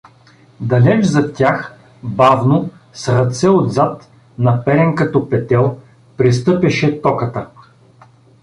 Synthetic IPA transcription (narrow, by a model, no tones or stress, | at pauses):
d̪ɐlɛt͡ʃzɐt̪ʲax | bavno | sɾɐt̪sɛod̪zat̪ | nɐpɛɾɛŋkɐt̪ɔpɛt̪ɛlˠ | pɾist̪ɤpɛʃɛt̪ɔkət̪ə